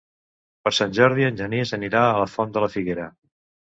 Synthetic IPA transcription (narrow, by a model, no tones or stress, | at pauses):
pəɾsanʲʒɔɾðiənʲʒənezəniɾaələfɔnd̪ələfiɣeɾə